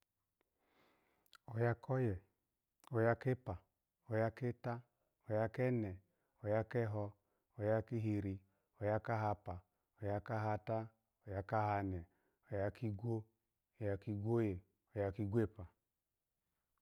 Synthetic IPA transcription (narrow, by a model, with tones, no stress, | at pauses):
o˨ja˧kʰɔ˦jɛ˨ | o˨ja˧ke˦pa˨ | o˨ja˧ke˦ta˦ | o˨ja˧kɛ˦nɛ˨ | o˨ja˧kɛ˦ɦɔ˧ | o˨ja˧ki˦ɦi˧ɾi˧ | o˨ja˧ka˦ɦa˧pa˨ | o˨ja˧ka˦ɦa˧ta˦ | o˨ja˧ka˦ɦa˧nɛ˨ | o˨ja˧ki˦ɡʷo˦ | o˨ja˧ki˧ɡʷo˦je˨ | o˨ja˧ki˧ɡʷe˦˨pa˨